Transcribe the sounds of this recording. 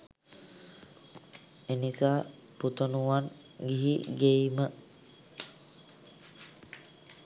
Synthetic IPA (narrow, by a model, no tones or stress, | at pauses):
enisaː | put̪onuʋan | ɡiɦiɡejmə